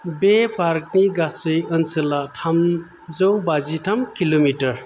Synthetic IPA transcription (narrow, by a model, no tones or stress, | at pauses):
bepaɾk̚niɡasəjʌnsəlatʰam | d͡zəwbaziʈʰamkilomiʈəɾ